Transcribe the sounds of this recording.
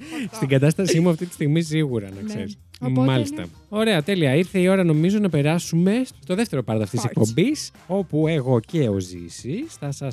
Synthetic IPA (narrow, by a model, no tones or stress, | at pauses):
st̪iɡɐt̪ɐst̪ɐsimuɐft̪it̪i̥st̪iɣmis̬iɣuɾɐnɐkseɾis | mɐlist̪ɐ̰ | o̞ɾe̞ɐt̪e̞liɐiɾθe̞io̞ɾɐno̞mizo̞nɐpe̞ɾɐsume̞t̪o̞ðeft̪eɾo̞pɐɾðɐft̪it̪isekkpo̞mbis | o̞pue̞ɣo̞ce̞o̞zḭsisθɐsɐs